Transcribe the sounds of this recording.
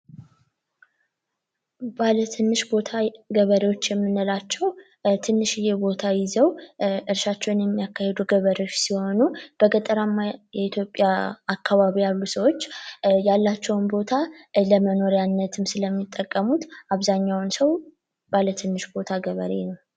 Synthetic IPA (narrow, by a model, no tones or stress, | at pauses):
balət̪ʰɨnːɨʃbo̞t̪ʰaɡəβəɾewo̞t͡ʃːjɛmːɨnːəlat͡ʃːɛw | t̪ʰɨnːɨʃjɛbo̞t̪ʰajɪzəwɨɾʃat͡ʃːɛwnjɛmːijakːahed̪uɡəβəɾewot͡ʃːsiho̞nub̥əɡət̪ʼəɾamːajɛit̪ʰjo̞pʼjaakʰːaβaβijalːusəwo̞t͡ʃːjalːat͡ʃːɛwnbo̞t̪ʰaləməno̞ɾjanːət̪ʰɨmsɨləmːit̪ʼːəkʼːəmut̪ʔaβzaɲːawnsəw | b̥alət̪ʰɨnːɨʃbo̞t̪ʰaɡəβə̰ɾe̞̰nəw